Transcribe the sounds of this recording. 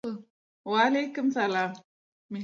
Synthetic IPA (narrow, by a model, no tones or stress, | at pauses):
waːlekʊmsalaːm | mɪ